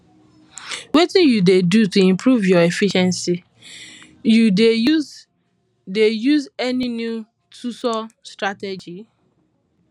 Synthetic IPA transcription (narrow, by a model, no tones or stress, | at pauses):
wetijudedutuĩmpɾuvjɔefiʃɛ̃nsi | jude | dejuzɛninju | tʰusɔstɾated͡ʒi